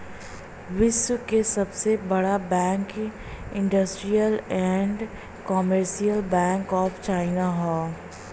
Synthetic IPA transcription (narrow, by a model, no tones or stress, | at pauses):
ʋɪswəkesɐbsebɐɽabɛ̃ːŋk | ɪ̃ɳɖəsʈɾijəlɛ̃ːɳɖ | kɔːməɾʃijəlbɛ̃ːŋkɔːft͡ʃaːɪnaɦɔː